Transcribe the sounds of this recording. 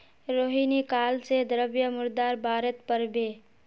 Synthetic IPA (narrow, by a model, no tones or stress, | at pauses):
ɾoːɦinikaːlsed̪ɾəbjəmʊɾd̪aːɾbaːɾət̪pəɾbe